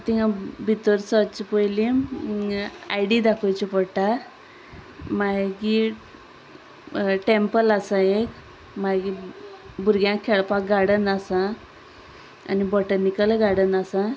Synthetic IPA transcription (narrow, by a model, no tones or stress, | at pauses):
t̪iɦãbʱit̪əɾsɔt͡ɕpəjli | ajɽid̪akʰəjt͡ɕipɔɽʈa | maɡi | ʈempəlasaek | maɡibuɾɡjãkʰːeɭpak̚ɡaɽənasã | a̰nibɔʈənikəlɡaɽənasã